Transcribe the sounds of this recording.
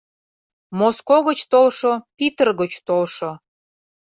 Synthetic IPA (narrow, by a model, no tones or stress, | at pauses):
moskoɣət͡ɕt̪olʃopit̪ərɣət͡ɕt̪olʃo